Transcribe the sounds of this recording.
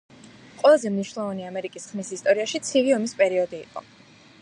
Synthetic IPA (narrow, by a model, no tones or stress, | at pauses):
qʼwɛlˠazɛmniʃwnlˠɔvaniamɛɾikʼisχmisist̪ʼɔɾiaʃit̪sʰiviɔmispʼɛɾiɔd̪ḭːqʼɔ̰